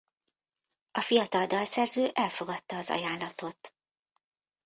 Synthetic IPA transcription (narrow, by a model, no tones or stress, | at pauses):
ɒfijɒt̪ɒld̪ɒlsɛrzøːʔɛlfo̞ɡɒt̪ːɒːzɒ̰jaːlːɒt̪o̞t̪